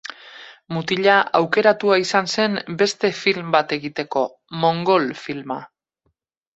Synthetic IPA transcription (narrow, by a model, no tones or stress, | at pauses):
mut̪iʎaawke̞ɾat̪uaisanse̞mbe̞st̪e̞filmbat̪e̞ɣit̪e̞ko̞ | mo̞ŋɡo̞lfilma